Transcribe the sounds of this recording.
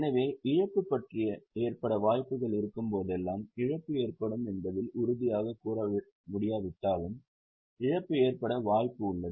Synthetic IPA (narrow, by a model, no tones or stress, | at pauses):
nɐʋeːʔɪɻɐpːɯpːɐʈrɪjɐeːrpɐɽɐʋaːjpɯɣɐɭɪɾɯkːɯmpoːðɛlːaːmɪɻɐpːɯeːrpɐɽɯmɛnbɐðɪlʊɾɯðɪjaːɣɐkuːɾɐ | mʊɽɪjaːʋɪʈːaːlɯm | ɪɻɐpːɯeːrpɐɽɐʋaːjpːɯʊɭːɐð